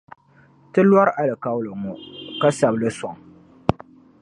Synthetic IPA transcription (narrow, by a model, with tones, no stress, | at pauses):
tɨ˦lwa˦ɾʔa˦lɨ˨ka˦wlɨ˨ŋʊ˨ka˦sa˨blɨ˦sɔ˨ŋ